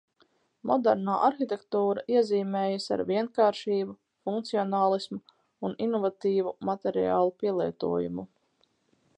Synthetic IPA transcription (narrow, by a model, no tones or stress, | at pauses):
mʔɔd̪ɛɾnaːʔaɾxit̪ɛkt̪uːɾa̰ʔiɛziːmɛːjasa̰ɾviɛnkaːɾʃiːbu | fuŋkt̪siɔnaːlˠismu | uninɔvat̪iːvumat̪ɛɾia̰ːlˠupiɛlˠiɛt̪ṵɔjṵmu